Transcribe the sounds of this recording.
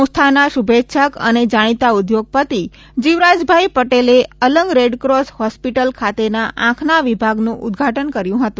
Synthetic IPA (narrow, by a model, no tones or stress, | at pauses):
ũst̪ʰanaʃubʱet̪ːʃʰəkə̰ned͡ʒaɽ̃it̪aud̪joɡ̚pət̪i | d͡ʒiʋɾad͡ʒbʱaipəʈeleələŋɡɾeɖkɾoshɔspiʈəlkʰat̪enaʔãkʰnaʋibʱaɡnũʔʊ̰d̪ɡʱaʈənkəɾjũɦət̪ũ